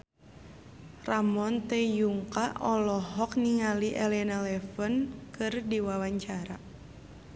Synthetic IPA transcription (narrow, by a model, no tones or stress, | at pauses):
ramɔnt̪ɛjuŋkaɔlɔɦɔk̚niŋaliʔɛlɛnalɛfənkɨrdiwawaɲt͡ʃaɾa